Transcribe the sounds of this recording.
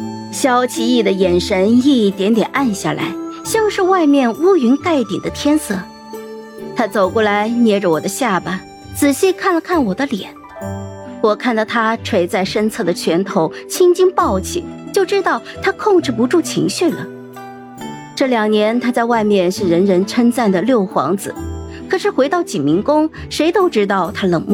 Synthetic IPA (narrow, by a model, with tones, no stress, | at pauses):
ɕjɑ˥ʊt͡ɕʰi˧˥i˥˩d̪ə˩jɛ˨˩nʂə˧˥ni˥˩t̪jɛ˧˥nt̪jɛ˨˩na˥˧nɕja˥˩la̰˧˥ɪɕjɑ˥˧ʊʂɻ̩˥˧wa˥˧ɪmjɛ˥˩nu˥y˧˥nka˥˩ɪt̪jɛ̰˨˩ŋd̪ə˦t̪ʰjɛ˥nsɤ˥˩ | t̪ʰa˥t͡so˨˩ʊkwɔ˥˩la˧˥ɪnjɛ˥ʈ͡ʂə˧wɔ˨˩d̪ə˦ɕja˥˩ba˩ | t͡sɹ̩˨˩ɕi˥kʰa˥˩nlə˩kʰa˥˩nwɔ˨˩d̪ə˦ljɛ̰˨˩˦n | wɔ˨˩kʰa˥˧nt̪ɑ˥˩ʊt̪ʰa˥ʈ͡ʂʰwe˥˩ɪt͡sa˥˩ɪʂə˥nt͡sʰɤ˥˩d̪ə˩t͡ɕʰɥɛ˧˥nt̪ʰo˧˥ʊt͡ɕʰi˥ŋt͡ɕi˥ŋpɑ˥˩ʊt͡ɕʰi˨˩˦t͡ɕjo˥˩ʊʈ͡ʂɻ̩˥t̪ɑ˥˩ʊt̪ʰa˥kʰʊ˥˧ŋʈ͡ʂɻ̩˥˩pu˧˥ʈ͡ʂu˥˩t͡ɕʰḭ˧˥ŋɕy˥˩lə̰˩ | ʈ͡ʂɤ˥˩ljɑ˨˩ŋnjɛ˧˥nt̪ʰa˥t͡sa˥˧ɪwa˥˧ɪmjɛ˥˧nʂɻ̩˥˩ɻə˧˥nɻə˧˥nʈ͡ʂʰə˥nt͡sa˥˩nd̪ə˩ljo˥˩ʊxwɑ̰˧˥ŋd͡zɹ̩˧ | kʰɤ˨˩ʂɻ̩˥˩xwe˧˥ɪt̪ɑ˥˩ʊt͡ɕi˨˩nmi˧˥ŋkʊ˥ŋʂe˧˥ɪt̪o˥ʊʈ͡ʂɻ̩˥t̪ɑ˥˩ʊt̪ʰa˥lə˨˩ŋmu˥˩